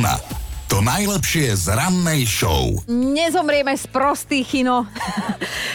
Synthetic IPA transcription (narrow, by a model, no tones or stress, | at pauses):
na̰t̪ɔnajlɛpʃɪɛzɾanːɛjʃɔ̰ʊɲɛzɔmɾɪɛmɛspɾɔst̪iːxinɔ